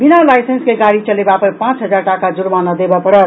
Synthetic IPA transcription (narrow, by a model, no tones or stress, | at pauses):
binalajsenskeɡaɽit͡ʃəlebapəɾpãt͡ʃɦəd͡ʒaɾʈakad͡ʒuɾmanəd̪ebapəɽət̪